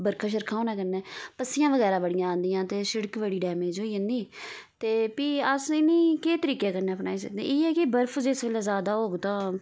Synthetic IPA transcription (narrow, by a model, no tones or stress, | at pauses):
bəɾkʰãːʃ̬əɾkʰãːõːnɛ̃ːkəɾnɛːpəsːɪjãːʋəɡɛːɾaːbəɽɪjãːnd̪ɪjãːt̪eːsəɽəkʋəɽiːɖɛːmẽːd͡ʒoːiːə̃nd̪iː | t̪eːpiːəsɪniːkeːt̪əɾiːkeːkəɾneːəpna̰ːiːsə̰k̚d̪ḛ̃ːiːɛːkɪbəɾfʰd͡ʒeːsʋeːlɛːzjaːd̪aːoːɡt̪ãː